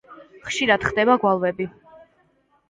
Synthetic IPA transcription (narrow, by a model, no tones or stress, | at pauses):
χʃiɾad̪̥χd̪ɛbaɡwalˠvɛbi